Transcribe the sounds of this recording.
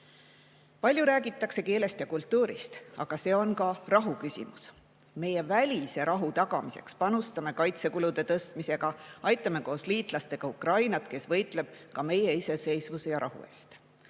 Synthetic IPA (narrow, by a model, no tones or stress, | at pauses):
pɑlʲjuɾæːɡit̪ːˑɑkse̞ke̞ːle̞st̪jɑkult̪ˑːuːɾist̪ɑɡ̥ɑse̞ːo̞nkɑrɑɦukysʲḭmus | me̞jevælʲiseɾʔɑɦut̪ɑɡ̥ɑmise̞̰kspɑnust̪ɑme̞kɑjt̪se̞kulud̪̥e̞t̪ɤst̪mise̞ɡ̥ɑɑjt̪ːˑɑme̞ko̞ːsliːt̪ˑlɑst̪e̞ɡ̥ɑukrɑjnɑt̪ke̞svɤ̞jt̪ˑle̞b̥̚kɑme̞jeise̞se̞jsvusejɑɾʔɑhṵe̞̰ːst̪